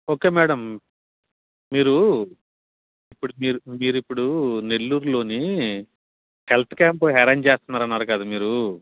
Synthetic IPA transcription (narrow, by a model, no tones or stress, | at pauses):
o̞ːke̞ːmɛːɽɐm | miːɾu | ipːuɽumiːɾumiːɾuipːuɽune̞lːuːɾulo̞ːni | helʈkaːmpuɦeɾɐnt͡ʃeːst̪unːaːɾɐnːaːɾukaːd̪umiːɾu